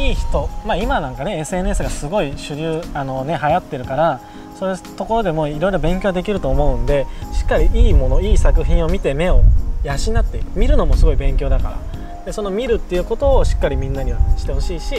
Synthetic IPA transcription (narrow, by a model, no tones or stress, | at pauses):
iːçi̥t̪o̞maimanãŋkane̞e̞sɨe̞n̟e̞s̬ɨɡasɨɡo̞iɕɨɾʲɯːano̞ne̞ɦajat̪ːe̞ɾɯ̟kaɾa | so̞ːɯt̪o̞ko̞ɾo̞d̪e̞mo̞iɾo̞iɾo̞bẽ̞ŋkʲo̞ːd̪e̞kʲiɾɯ̟t̪o̞ːmo̞ɯ̟̃nd̪e̞ɕi̥kːaɾʲiʔiːmo̞no̞iːsakɯ̟çĩɰ̃o̞mʲit̪e̞me̞o̞jaɕinːat̪ːeɯmʲiɾɯ̟no̞mo̞sɨɡo̞ibẽ̞ŋkʲo̞ːd̪akaɾa̰ | d̪̥e̞so̞no̞mʲiɾɯ̟t̪ːe̞jɯ̟ːko̞t̪o̞ːɕi̥kːaɾʲimʲĩnːaɲ̟iβaɕi̥t̪e̞ho̞ɕiːɕi